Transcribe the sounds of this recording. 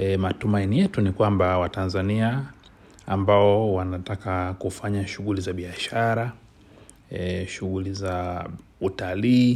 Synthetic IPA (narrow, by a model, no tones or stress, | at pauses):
matumainijɛtunikwambawatanzania | ambaɔwanatakakufaɲaʃuɣulizaɓiaʃaɾa | ʃuɣuliza | utaliː